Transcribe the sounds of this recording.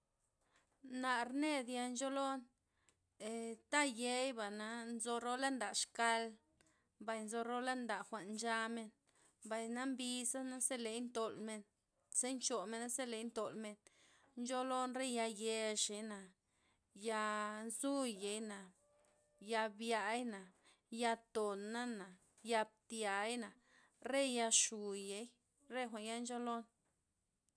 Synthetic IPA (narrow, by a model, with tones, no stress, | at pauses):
na˨ɾne˦d̪ja˧nt͡ʃo˦lo˦n | e˨t̪a˦je˧jba˨na˨nzo˧ɾo˦la˦nd̪a˨ʂka˧l | mba˨jnzo˧ɾo˦la˦nd̪a˨ʔxʷa˨ʔnd͡ʒa˧me˧n | mba˨jna˦mbi˧sa˦na˦se˦le˨˦jnt̪o˨lme˧n | se˦nt͡ʃo˨me˧na˦se˦le˨jnt̪o˨lme˧n | nt͡ʃo˦lo˦nɾe˦ja˧je˧ʂe˨jna˨ | ja˧zu˦je˨jna˨ | ja˧bja˧˦jna˨ | ja˧t̪o˨nːa˦na˨ | ja˧b̚t̪ja˨˦jna˨ | ɾe˦ja˧ʃu˨je˨˦j | ɾe˦xʷa˨nja˦nd͡ʒo˦lo˦n